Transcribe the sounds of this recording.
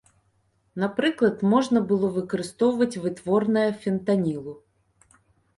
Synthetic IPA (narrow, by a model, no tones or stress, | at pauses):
nɐpɾɨklˠɐt̪mɔʐnɐbɨlˠɔvɨkɐɾɨst̪ɔwvɐt͡sʲvɨt̪vɔrnɐjɐfʲɛnt̪anʲilˠʊ